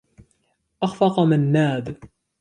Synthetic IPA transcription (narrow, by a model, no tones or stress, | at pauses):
ʔɑxfɑqmanːaːd̪